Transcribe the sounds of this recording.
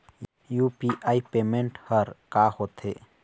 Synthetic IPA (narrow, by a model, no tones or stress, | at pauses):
juːpiʔaːipeːmẽɳʈhəɾkaːhoːt̪ʰḛː